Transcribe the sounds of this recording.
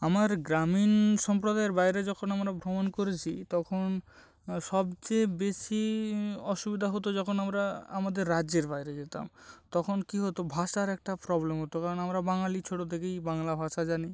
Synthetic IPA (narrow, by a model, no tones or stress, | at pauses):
amaɾɡɾaminʃɔmpɾod̪aeɾbajɾed͡ʑɔkʰonamɾabʱɾomonkoɾet͡ɕʰit̪ɔkʰon | ʃɔbt͡ɕebeʃiɔʃubid̪ʱaɦot̪̬od͡ʑɔkʰonamɾaamad̪eɾːad͡ʑeɾbajɾed͡ʑet̪a̰mt̪ɔkʰonkiɦot̪obʱaʃaɾɛk̚ʈapɾɔblemɦot̪okaɾonamɾabaŋalit͡ɕʰoʈot̪ʰekejbaŋlabʱaʃad͡ʑani